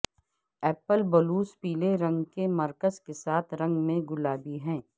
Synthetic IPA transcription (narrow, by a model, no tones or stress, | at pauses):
ɛːpəlbəluːspiːleɾɐ̃ŋɡkemɐɾkəzkesaːt̪ʰɾɐ̃ŋɡmẽɡʊlaːbiɦɛ̃ː